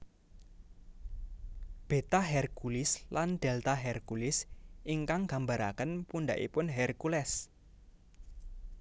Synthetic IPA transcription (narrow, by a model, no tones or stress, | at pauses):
b̥e̤t̪aɦɛrkulɪsland̪̥ɛlt̪aɦɛrkulɪsʔiŋkaŋɡ̥a̤mbaɾa̰kənpundaʔḭpʊnɦɛrkulɛs